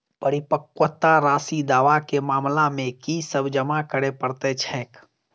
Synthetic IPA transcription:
pəɾɪpəkwət̪aɾaːsid̪aːʋakemaːmlamẽkisəbd͡ʒəmakəɽepəɾt̪et͡ʃʰɛ̃ːk

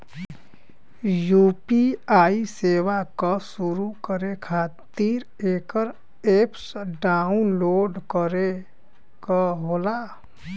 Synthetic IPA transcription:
jupiaisewakɔsuɾukəɾekʰat̪iɾ | ekəɾ | epsɖaunloɖkəɾe | kəɦola

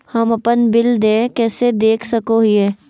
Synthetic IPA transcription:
hɐmɐpənbɪld̪eːkɛːsed̪eːkʰsɐkoɦiɦɛː

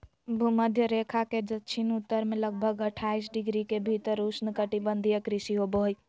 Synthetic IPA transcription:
bʱuməd̪ʱjəɾekʰaked͡ʒətːt͡ʃʰinut̪ːəɾmẽləɡ̚bʱəɡəʈʰais̬ɖiɡɾikebʱit̪əɾusnəkəʈibənd̪ʱijəkɾisiɦoboɦj

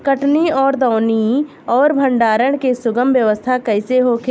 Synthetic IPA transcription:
kəʈniɔːɾd̪ɔːʊni | ɔːɾbʱə̃ɳɖaːɾəɽ̃kesʊɡəmʋjəʋəst̪ʰakɐɪseɦokʰ

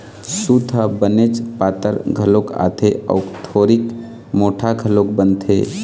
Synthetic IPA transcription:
sut̪ʰəbənet͡ʃpaːt̪əɾɡʱəloka̰t̪ʰeʔə̰ukʈʰoːɾik | moʈʰaɡʱəlok̚bənt̪ʰḛ

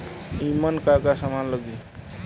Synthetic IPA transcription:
imənkakasamãnlʌɡi

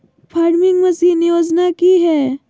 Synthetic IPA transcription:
pʰaːɾmɪ̃ŋɡmɐsiːnɪjoːd͡ʒnakiɦɛː

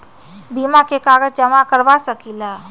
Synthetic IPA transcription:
bimakekaːɡəd͡ʒd͡ʒəmakəɾʋasəkila

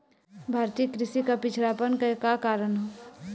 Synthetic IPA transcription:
bʱaːɾt̪iːkɾɪʃikapɪt͡ʃʰɾaːpənkɐkakaːɾənɦo

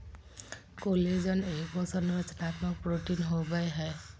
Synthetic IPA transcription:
koled͡ʒɔnekbɔsɔnɾət͡ʃnat̪mɔk̚pɾoʈinɦobajɦɛ

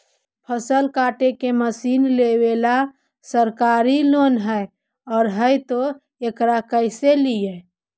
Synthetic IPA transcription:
pʰəsəlkaːʈekeməsiːnlewela | səɾkaːɾilonɦəe | ɔːɾɦəjt̪o | ekɾakəɪselie

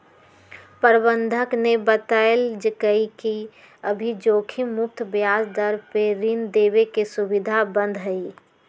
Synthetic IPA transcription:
pəɾbənd̪ʱəknebət̪aeld͡ʒəkəiki | əbʱid͡ʒoːkʰimːʊp̚t̪bjaːsd̪əɾpeɾind̪eːbekesubɪd̪ʱabə̃nd̪ʱɦəi

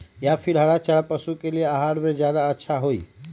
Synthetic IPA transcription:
japʰɪɾɦɐɽat͡ʃəɽapɐsukelieaɦaːɽmẽzjaːd̪aɐtːʃʰaɦoːiː

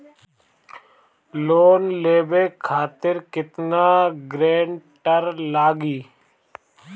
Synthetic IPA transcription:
loːnleːbeːkʰaːt̪ɪɾkɪt̪naːɡɾeːɳʈəɾlaːɡiː

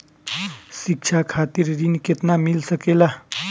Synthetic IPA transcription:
sik̚t͡ʃʰakʰat̪iɾːinket̪namilsəkela

